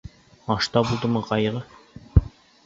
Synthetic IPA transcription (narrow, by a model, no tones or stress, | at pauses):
mɑʃt̪ɑbulˠd̪ɤmɤqɑjɤʁɤ